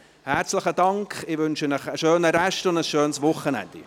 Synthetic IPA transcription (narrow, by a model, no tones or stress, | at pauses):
hæɾt͡sləχədɑŋkχɪʋʏnʃənəχəʃøːnəɾɛʃtʊndəsʃøːnsʋʊχːənɛ̰nd̥ḭ